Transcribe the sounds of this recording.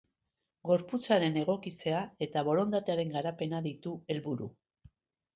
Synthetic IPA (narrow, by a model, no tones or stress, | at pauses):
ɡo̞ɾput͡saɾe̞ne̞ɣ̞o̞kit͡se̞ae̞t̪aβo̞ɾo̞nd̪at̪eaɾe̞ŋɡaɾape̞naðit̪ue̞lβuɾṵ